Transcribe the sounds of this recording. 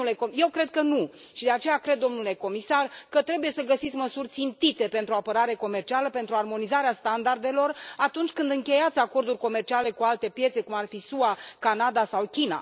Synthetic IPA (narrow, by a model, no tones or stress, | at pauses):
lekoje̞wkɾe̞d̪̚kənuʃid̪e̞at͡ʃe̞jakɾe̞d̪ːo̞mnule̞ko̞misarkət̪ɾe̞buje̞səɡəsit̪sʲməsurʲt̪sint̪it̪e̞pe̞nt̪ɾuoapəɾaɾe̞ko̞me̞rt͡ʃialəpe̞nt̪ɾuarmo̞nizaɾeast̪and̪ard̪e̞lo̞rat̪unt͡ʃʲkɨnd̪ɨŋkʲe̞jat̪sʲako̞rd̪urʲko̞me̞rt͡ʃiale̞kualt̪e̞pje̞t̪se̞kumarfisuwakanad̪asawkʲina̰